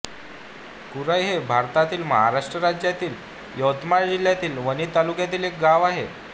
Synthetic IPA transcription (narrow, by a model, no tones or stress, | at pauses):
kuɾəjɦebʱaɾt̪at̪iːlmə̰ɦa̰ɾaʂʈɾəɾad͡ʑjat̪iːl | jəwt̪maɾd͡ʑiljat̪iːlʋəñiːt̪alukjat̪iːlek̚ɡaʋaɦe